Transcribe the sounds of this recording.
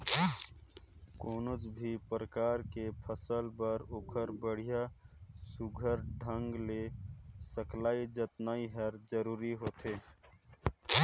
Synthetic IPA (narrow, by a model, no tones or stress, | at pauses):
koːnod͡ʒbʱipɾəkaɾkepʰəsəlpəɾoːkʰəɾbəɽ̤ijasuɡʱəɾɖʱəŋɡlesəklaːid͡ʒət̪naiɦəɾd͡ʒəɾuːɾiɦot̪e